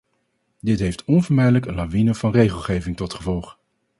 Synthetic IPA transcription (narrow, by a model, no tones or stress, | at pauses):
dɪtɦejftɔnvɔːɹmɛjdələkənlaʋinəv̥ɑnrejχəlˠχejvɪŋtɔtχəvɔlˠχ